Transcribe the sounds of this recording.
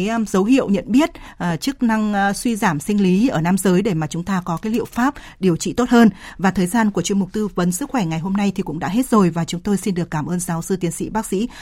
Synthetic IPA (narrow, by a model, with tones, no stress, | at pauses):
jzə˨˦wɦḭ˧˨əwɲə̰˧˨nɓi˦˥ət̚ʔːt͡ɕɨ˦˥k̚na˧ŋswi˧zaː˧˩msi˧ŋ̟li˨˦ʔəː˧˩naː˧mzəː˨˦jɗe˧˩maː˨˩t͡ɕʊ˨˦ŋ͡mt̪aː˧kɔ˨˦kaː˨˦jlḭ˧˨əwfaː˦˥p̚ | ɗi˨˩əwt͡ɕḭ˧˨t̪o˦˥t̚həː˧nvaː˨˩t̪ʰəː˨˩jzaː˧nku˧˩ət͡ɕi˧əmʊ˨˩k͡p̚t̪ɨ˧və˨˦nsɨ˦˥k̚xwɛ˧˩ŋa˨˩jɦo˧mna˧jt̪ʰi˨˩kʊ̰˧˥ŋ͡mɗa̰ː˧˥ɦe˦˥t̚zo˨˩jvaː˨˩t͡ɕʊ˨˦ŋ͡mt̪o˧jsi˧nɗɨ˨˩əkːaː˧˩mʔəː˧nzaː˨˦wsɨ˧t̪i˨˦ənsḭ˧˥ɓaː˦˥k̚sḭ˧˥